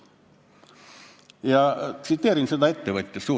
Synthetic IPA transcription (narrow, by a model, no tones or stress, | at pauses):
jɑt̪sit̪ːeːɾinsed̪ɑet̪ːeʋət̪ʲːesu